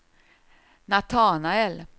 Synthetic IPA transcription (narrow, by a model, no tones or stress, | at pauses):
nat̪ʰɑːnaɛl